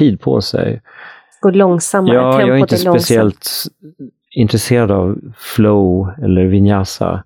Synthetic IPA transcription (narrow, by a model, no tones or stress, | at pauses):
iːd̪̚pʰɔ̰sɛ̰j | ɡ̥olɔŋsamːjɑːjɑːɡæɾɪnt̪əspɛsɪɛlt̪ | ɪnt̪ɾɛseːɾad̪avflɔʊɛlːəɾvɪnjasa̰